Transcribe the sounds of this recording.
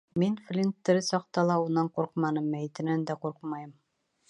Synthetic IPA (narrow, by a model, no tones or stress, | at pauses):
minflʲint̪ːɘ̆ɾɘsɑq̚t̪ɑlˠɑunːɑɴquɾqmɑnɤmːæjɘ̆t̪ɘ̆nænd̪æquɾqmɑjɤm